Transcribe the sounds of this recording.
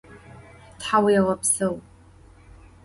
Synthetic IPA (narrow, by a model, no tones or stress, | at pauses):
tħawiʁɐpʰsɨw